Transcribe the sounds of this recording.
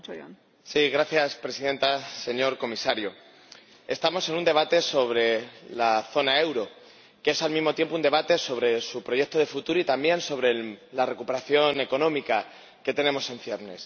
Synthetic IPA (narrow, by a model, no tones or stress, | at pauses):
siɣ̞ɾaθjaspɾe̞siðẽ̞nt̪ase̞ɲo̞ɾko̞misaɾjo | e̞st̪amo̞se̞nũnd̪e̞β̞at̪e̞so̞βɾe̞laθo̞nae̞wɾo̞ | kesalmizmo̞t̪je̞mp̬ound̪e̞βat̪e̞so̞β̞ɾe̞supɾoʝe̞k̚t̪o̞ðe̞fut̪uɾoit̪ambje̞nso̞βɾe̞lare̞kupe̞ɾaθjo̞ne̞ko̞nõ̞mika | ke̞t̪e̞nẽ̞mo̞se̞nɱfje̞ɾne̞s